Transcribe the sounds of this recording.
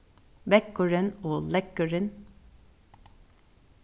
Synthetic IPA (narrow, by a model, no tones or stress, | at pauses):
bɛkəɹənoːlɛkəɹən